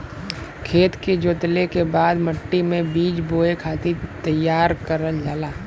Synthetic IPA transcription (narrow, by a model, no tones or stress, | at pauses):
kʰeːt̪ked͡ʒoːt̪lekebaːd̪məʈːimẽbiːd͡ʒboːekʰaːt̪it̪əjːaːɾkəɾəld͡ʒaːlaː